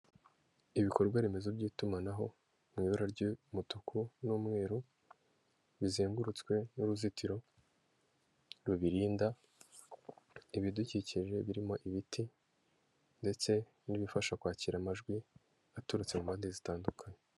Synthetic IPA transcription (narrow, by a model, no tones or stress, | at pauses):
iβiko̞ɾɡwaɾeme̞zobɟiːtumanaɦo̞ | mŋiːβuɾaɾɟimutukunuːmŋe̞ːɾu | βizeːŋɡuɾut͡skwe̞nuɾuzitiɾo̞ | ɾuβiɾiːnda | iβiduciciʒe̞βiɾimo̞ʔiβitʰi | nde̞t͡se̞ | niβifaʃakwaːciɾamaʒɡwi | atuɾut͡se̞mumaːndizitaːndukʰaɲe